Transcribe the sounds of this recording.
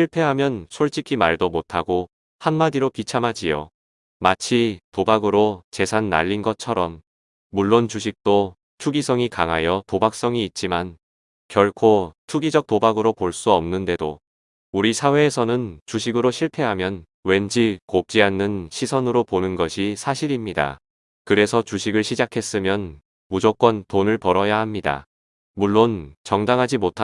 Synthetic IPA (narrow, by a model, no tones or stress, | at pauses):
ɕʰiɭpʰe̞ɦamjʌnsʰoɭt͡ɕ͈ʰikʰimaɭdomotʰaɡo | hanmadiɾopit͡ɕʰamad͡ʑijo̰ | mat͡ɕʰitobaɡɯɾot͡ɕe̞sʰanːa̰ʎːinɡʌt͡ɕʰʌɾʌmː | uɭːont͡ɕuɕ̬ʰik̚t͈o | t͡ɕʰuɡisʰʌŋikaŋɦajʌtobak̚s͈ʌŋiːt̚t͡ɕ͈iman | kjʌɭkʰotʰuɡid͡ʑʌk̚tobaɡɯɾopoɭs͈uʌmnɯnde̞do | uɾisʰawe̞ːsʰʌnɯnt͡ɕuɕʰiɡɯɾoɕʰiɭpʰe̞ɦamjʌn | we̞nd͡ʑikop̚t͡ɕ͈iɦanːɯnɕʰisʰʌnɯɾoponɯnɡʌɕʰisʰaɕʰiɾimɲida̰ | kɯɾe̞sʰʌt͡ɕuɕʰiɡɯɭɕʰid͡ʑakʰe̞s͈ɯmjʌn | mud͡ʑok͈wʌntonɯɭpʌɾʌjaɦhamɲida̰ | muɭːont͡ɕʌŋdaŋɦad͡ʑimotʰa